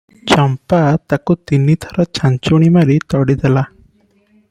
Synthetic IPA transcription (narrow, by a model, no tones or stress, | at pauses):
t͡ʃɔmpat̪akut̪init̪ʰɔɾɔt͡ʃaɲt͡ʃuɽ̃imaɾit̪ɔɽid̪ɛla